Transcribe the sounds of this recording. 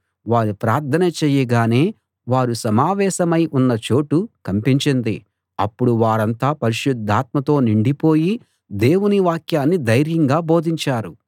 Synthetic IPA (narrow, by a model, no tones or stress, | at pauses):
ʋaːɾupɾaːɾt̪ʰɐnɐt͡ʃeːjɐɡaːne̞ː | ʋaːɾusɐmaːʋɛːʃɐmɐjʔunːɐt͡ʃo̞ːʈukɐmpiɲt͡ʃind̪i | ɐpːuɽuʋaːɾɐnt̪aːpɐɾiʃud̪ʱːaːt̪̚mɐt̪o̞ːniɳɖipoːji | d̪e̞ːwuniʋaːkjaːnːid̪ɐjɾjɐŋɡaːbo̞ːd̪ʱiɲt͡ʃaːɾu